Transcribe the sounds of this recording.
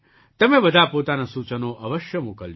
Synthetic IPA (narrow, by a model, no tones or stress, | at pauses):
t̪əmẽbəd̪ʱapot̪anasut͡ʃənoʔəʋəʃjəmukəl